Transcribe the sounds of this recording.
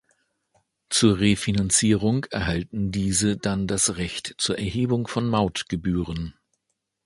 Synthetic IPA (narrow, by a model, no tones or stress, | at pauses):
t͡suːɐʁefinant͡siːʁʊŋɛɐɦaltn̩diːzədandasʁɛçtt͡suːɐʔɛɐɦeːbʊŋfɔnmaʊtɡ̥əbyːʁən